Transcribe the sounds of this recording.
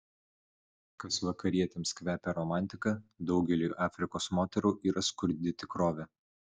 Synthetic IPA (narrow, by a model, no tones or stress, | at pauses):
kɐsʋɐkɐɾʲiɛt̪ʲeːmskʋʲæːpʲɛɾɔmɑˑnʲt̪ʲɪkɐd̪ɒʊɡʲɛlʲuːʔɑːfʲɾʲɪkoːsmoːt̪ʲɛɾuːʔiːɾʔɐskʊɾʲd̪ʲɪt̪ʲɪkɾoːʋʲɛ